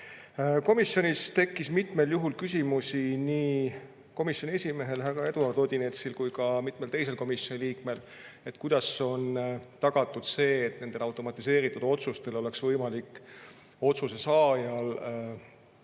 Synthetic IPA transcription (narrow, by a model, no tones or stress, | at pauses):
ko̞misːjo̞nʲist̪e̞kːismit̪me̞ljuɦulkysʲimusʲiniː | ko̞misjo̞nʲiesʲime̞ɦe̞lɦæɾɑe̞d̪uɑrt̪od̪ʲine̞t̪silkujkɑmit̪me̞lt̪e̞js̬e̞lko̞misjo̞niliːkme̞l | e̞t̪kujd̪̥ɑso̞nt̪ɑɡ̥ɑt̪ːˑud̪̥se̞ːt̪ne̞nd̪̥e̞lɑwt̪ˑo̞mɑt̪ːˑise̞ːɾit̪ːˑud̪̥o̞t̪sust̪e̞lo̞le̞ksvɤjmɑlikːˑ | o̞t̪suse̞sɑːjɑl